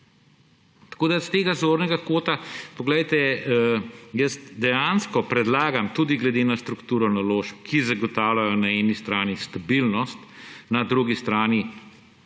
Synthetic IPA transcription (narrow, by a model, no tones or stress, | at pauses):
t̪ɐ̥koːd̪ast̪eːɡazoːɾnɛɡakoːt̪apɔɡlɛjt̪ɛ | jəsd̪ɛjanskɔpɾɛd̪laːɡamt̪ud̪iɡlɛd̪eːnast̪ɾukt̪uːɾɔnaloːʃp̚kʰizaɡɔt̪aːwlʲajɔnaɛːnist̪ɾaːnist̪abilnɔst̪nad̪ɾuɡist̪ɾaːni